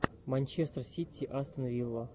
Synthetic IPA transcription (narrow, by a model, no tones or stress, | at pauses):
mɐnʲt͡ɕest̪rsʲit̪ʲʰːiʔɐst̪ənɐvʲilˠːə